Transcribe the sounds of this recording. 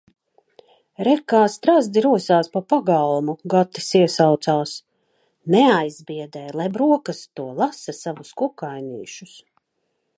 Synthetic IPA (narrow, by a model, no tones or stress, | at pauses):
ɾɛkaːst̪ɾazd̪iɾuɔsaːspapaɡalˠmuɡat̪ːi̥siɛsawt̪saːs | nɛajzbiɛd̪ɛːjlˠajbɾuɔkɐst̪uɔlˠasɐsavuskukajnḭːʃus